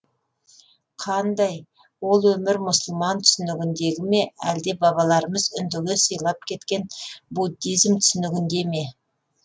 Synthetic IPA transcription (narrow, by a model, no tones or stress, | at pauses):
qʰɑnd̪ɑj | wo̞lˠwɵmɪɾmʊsəlˠmɑnt̪ʰʏ̥sɪnɪɡʲɪnd̪e̞ɡʲɪme̞æ̰ld̪e̞bɑβɑlˠɑɾəməzʏnd̪ɪɡʲɪsəjlˠɑp̚kʲʰe̞t̪kʲe̞nbud̪ːijzmt̪ʰʏ̥sɪnɪɡʲɪnd̪e̞me̞